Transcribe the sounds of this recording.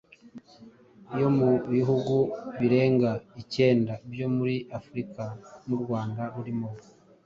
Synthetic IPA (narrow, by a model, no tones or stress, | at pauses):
ijo̞muβiɦuɡuβiɾe̞ːŋɡaice̞ːndabjo̞muɾiʔafuɾikamuɾɡwaːndaɾuɾimo̞